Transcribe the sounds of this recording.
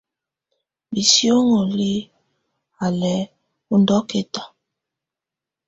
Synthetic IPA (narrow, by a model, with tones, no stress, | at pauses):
bi˨si˦o˦ŋo˨li˦ | a˨lɛ˨ | u˦ndɔ˦ke˦tḁ˨